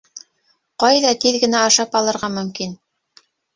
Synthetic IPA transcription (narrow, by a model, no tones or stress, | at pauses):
qɑjðɑt̪iðɡɘ̆næɑʃɑpɑlˠɤ̆ɾʁɑmɵ̆mkin